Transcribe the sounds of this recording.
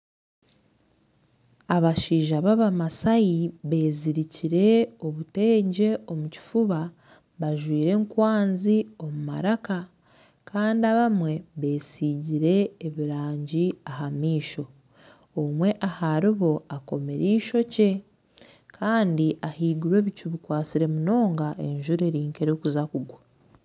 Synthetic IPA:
aβaʃiːʒaβaβamasajiβe̞ːziɾiciɾe̞o̞βute̞ːɲɟe̞o̞muci̥fuβa | βaʒwiːɾe̞ŋkwaːnzio̞muma̰ɾaka | kaːndiaβamwe̞βe̞ːsiːɟiɾe̞ːβiɾaːɲɟiaɦamiːʃo̞ː | mwe̞ʔahaɾiβo̞ako̞me̞ɾiːʃo̞ce̞ | kʰaːndiʔahiːɡuɾwe̞ːβicuβikwaːt͡siɾe̞muno̞ːŋɡaʔe̞ɲʒuɾe̞ɾiːŋke̞ɾokuzakuɡwa

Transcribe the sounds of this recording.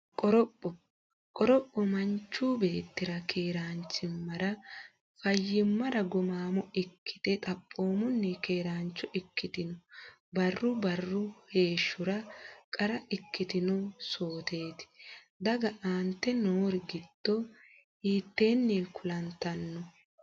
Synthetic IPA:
kʼɔɾɔpʼːɔ | kʼɔɾɔpʼːɔmɐɲt͡ʃːuːbe̞ːt̪ːɪɾɐkʰe̞ːɾaːnt͡ʃːɪmːɐɾɐ | fɐjːɪmːɐɾɐɡɔmaːmɔɪkʰːɪ̥t̪ɛt̪ʼɐpʼːo̞ːmʊnːɛke̞ːɾaːnt͡ʃːɔʔɪkːɪt̪ɪnɔ | bɐrːʊbɐrːʊhe̞ːʃːʊɾɐkʼɐɾɐʔɪkːɪt̪ɪnɔsoːt̪e̞ːt̪ɪ̥ | d̪ɐɡɐʔaːnt̪ːɛnoːɾɪɡɪd̪̥ːɔ | iːt̪ːe̞ːnːiːkʰʊlɐnt̪ːɐnːɔ

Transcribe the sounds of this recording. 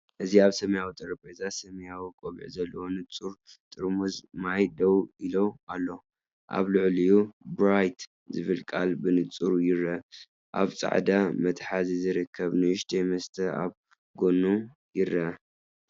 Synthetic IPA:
ʔɨziaβsɐmɐjawit̪ʼɨɾɐpʼezasɐmɐjawikʼoβ̰ʕzɐlːɐwo̞nɨt͡sʼuɾt̪ʼɨɾmuzmajd̪ɐwilo̞alːo̞ | ʔa̰βlɨʕlijubɾajt̪ʰ | zɨβɨlkʼa̰lbɨnɨt͡sʼuɾjɪɾɐ | ʔa̰βt͡sʼa̰ʕd̪amɐt̪ʰħazizɨɾɨkʰːɐβnɨɨʃt̪ʰejmɐst̪ʰɐa̰β | ɡo̞nːu | jɪɾɐ

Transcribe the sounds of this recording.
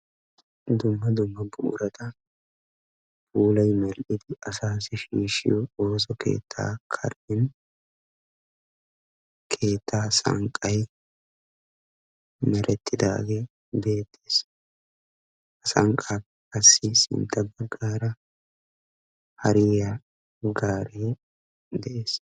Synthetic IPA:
d̪ʊmːɐd̪ʊmːɐbʊʔɾɐt̪ɐ | buːlɐjmɛlʔɪd̪ɪɐsaːsɪʃiːʃɪ̰jɔo̞ːs̬ɔkʰe̞̰ːt̪ʰːa̰ːkʰɐ̰ɾdɪn | kʰe̞ːt̪ːaːsɐ̰ŋkʼːɐj | mɛɾʔɛt̪ʰːɪd̪a̰ːɡeː | be̞ːt̪ʰːe̥ːs | ɐsɐŋkʼaːp | kːɐsːɪsɪ̰nt̪ʰʼːɐbɐɡːaːɾɐ | hɐɾɪa | ɡaːɾeː | d̪ɛʔe̞ːs

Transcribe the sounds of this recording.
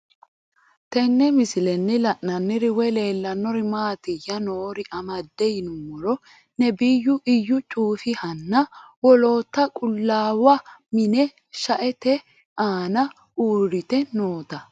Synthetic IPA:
t̪ɛnːɛmɪsɪlɛnːɪlɐʔnɐnːɪɾɪwɛle̞ːlːɐnːɔɾɪmaːt̪ɪjːɐnoːɾɪʔɐmɐd̪ːɛjnʊmɔɾɔ | nɛbɪjːʊʔɪjːʊt͡ʃʼuːfɪhɐnːɐwɔlo̞ːt̪ːɐkʼʊlːaːwɐmɪnɛ | ʃɐʔɛt̪ɛ | aːnɐ | uːɾɪt̪ɛnoːt̪ɐ

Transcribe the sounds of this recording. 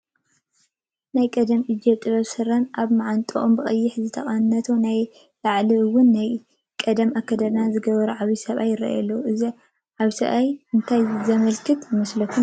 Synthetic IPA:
najkʼɐd̪ɐmʔid͡ʒet̪ʼjazɨsɨranʔaβmaʕant̪ʼɨʔombɨχʼɐjːɪħzɨt̪ʰɐχʼɐnnɐt̪ʰonaj | laʕliwʊnːaj | kʼɐd̪ɐmʔakʰːɐd̪ɐɾnazɨɡɐβɐɾuʕaβisɐβajːɪɾɐ̰ʔjɐ̰lːɐwuɨzi | ʕaβisɐβajɨnt̪ʰajzɐmɐlkʰɨt̪jɪmɐslɐkʰːun

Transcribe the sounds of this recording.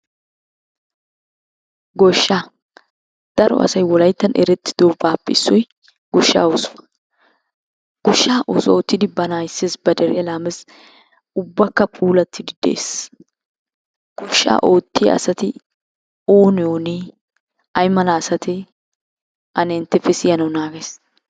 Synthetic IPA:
ɡɔʃːaː | d̪̥ɐɾɔ̰ʔɐ̰sɐjwɔlɐjt̪ːɐnʔɛ̰ɾɛt̪ːɪ̥d̪̥oːbaːpːɛɪsːɔj | ɡ̥ɔʃːa̰ːoːsʊ̥fɐ̥ | ɡ̥ɔʃːaːʔo̰ːsɔoːt̪ːɪd̪ɪbɐnaːjɪsːeːsbɐd̪ɛɾɪjɐlaːmɛs | ʊbːɐkːɐpʼuːlɐt̪ːɪd̪ɪd̪̥ḛːs | ɡ̥ɔʃːa̰ːʔoːt̪ːɪjɐ̰ɐ̰sɐt̪ɪ | oːnɪjoːne | ɐjmɐlaːsɐt̪ɪ | ʔɐnɛnt̪ːɛfɛsɪjɐnɐwnaːɡes

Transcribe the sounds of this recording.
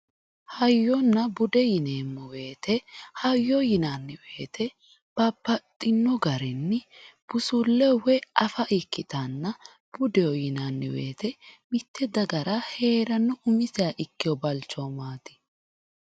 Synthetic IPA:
hɐjːɔnːɐbʊd̪ɛjɪneːmːʊwe̞ːt̪ʰɛhɐjːɔjɪnanːɪwe̞ːt̪ʰɛ | b̥ɐbːɐt̪ʼːɪnːɔɡɐɾɛnːɪb̥ʊsʊlːɛwɛʔɐfɐʔɪkːɪt̪anːɐ | b̥ʊd̪ɛɔjɪnanːɪ̰wḛːt̪ɛmɪt̪ʰːɛd̪ɐɡɐɾɐhe̞ːɾɐnːɔʔʊmɪsɛaʔɪkːɪjɔbɐlt͡ʃːoːmaːt̪ɪ̥

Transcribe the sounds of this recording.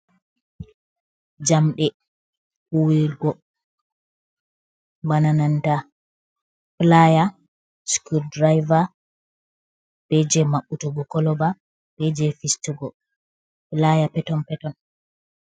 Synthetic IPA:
d͡ʒamɗɛ | uwiɡɔ | banananta | plaja | skudɾajva | b̥ɛd͡ʒɛmaɓːutuɡɔkɔlɔba | b̥ɛd͡ʒɛfistuɡɔ | plajapɛtɔnpɛtɔn

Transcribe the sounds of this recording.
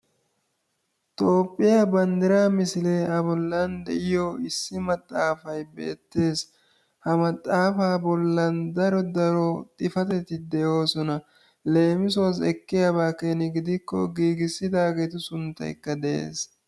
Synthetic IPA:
t̪ʼo̞ːpʼːɪjaːbɐnd̪ɪɾaːmɪsɪleʔɐbɔlːɐnd̪ɛ̰ʔɪjoɪsːɪmɐt̪ʼːaːfɐjbe̞̰ːt̪ːe̞ːs | hɐmɐt̪ʼːaːfaːbɔlːɐnd̪ɐɾɔd̪ɐɾɔt̪ʼɪfɐt̪ɛt̪ːɪd̪ɛjo̞ːsɔnɐ | le̞ːmɪsʊwɐs̬ɛkːɪjabaːkenɪɡɪd̪ɪkːɔɡiːɡɪsːɪd̪aːɡet̪ʊsʊnt̪ːɐ̰jkːɐd̪ɛʔḛːs

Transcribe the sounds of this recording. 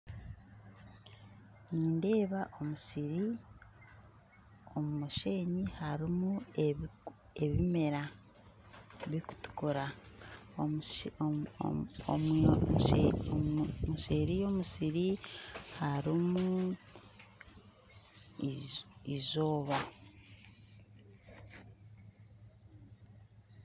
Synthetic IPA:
niːnde̞ːβaʔo̞musiɾi | o̞mumuʃe̞ːɲihaɾimu | e̞βime̞ɾa | βiku̥tu̥kuɾa | om | muʃeɾijo̞musiɾihaɾimu | izo̞ːβa

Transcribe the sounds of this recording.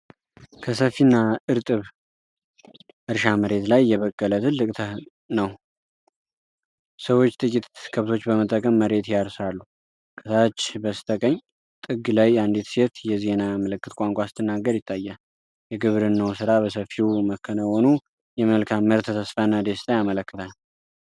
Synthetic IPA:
kʰəsəfːinːaʔɨɾt̪ʼɨβ | ʔɨɾʃaməɾe̞t̪lajːɛβəkːələt̪ʰɨlːɨkʼt̪ʰə | nəw | səwo̞t͡ʃːt̪ʼɨkʼit̪kʰəβt̪ʰo̞t͡ʃːbəmət̪ʼːəkʼəmːəɾe̞t̪jaɾsalːu | kʼɨt̪ʰat͡ʃːbəst̪ʰəkʼəɲː | t̪ʼɨɡɨlajand̪it̪se̞t̪jɛze̞namələkːɨt̪kʷʼaŋkʷʼasɨt̪ʰɨnːaɡəɾjɪt̪ʰːajːa | jɛɡɨβɾɨnːəwsɨɾaβəsəfiwuməkʰːənəho̞nu | jɛməlkʰamːəɾt̪ʰət̪ʰəsfanːad̪est̪ʼajamələkːɨt̪ʰal

